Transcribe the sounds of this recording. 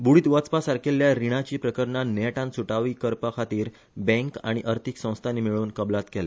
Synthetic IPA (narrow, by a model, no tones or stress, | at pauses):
buɽiːt̪ʋət͡spasaɾkʰeljaɾiɽ̃at͡ɕiːpɾəkəɾɳaneʈãnsuʈaʋiːkəɾpəkʰat̪iːɾ | bɛ̃ŋka̰ɽ̃iʔəɾt̪ʰiksə̃w̃st̪ʰanimiɭuːnkəblat̪kɛlɛ